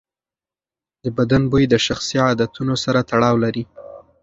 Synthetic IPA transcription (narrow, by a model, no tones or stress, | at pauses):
d̪əbad̪anbujd̪əʃaxsiɑd̪at̪unosaɾat̪aɽɑwlaɾi